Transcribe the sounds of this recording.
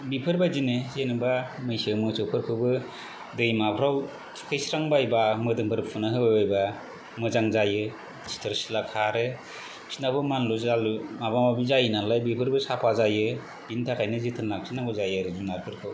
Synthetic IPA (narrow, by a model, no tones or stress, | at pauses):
bipʰɯɾbajzinɯzenɯbamɯjsɯmɯsɯwpʰɯɾkʰɯwbɯ | dɯjmapʰɾaw | tʰkʰɯjsɾaŋbajbamɯdɯŋpʰɯɾpʰɯnɯɦɯbabajba | mɯzaŋzajɯ | sʰi̥tʰɯɾsilakʰaɾɯ | sʰi̥nabɯmanluzalmabamabizajnalajbipʰɯɾbɯsapʰazajɯ | b̥intʰakʰajnɯzitʰɯnlak̚sʰinakɔzajɯɾɯzunaɾkʰɯɾkʰɯw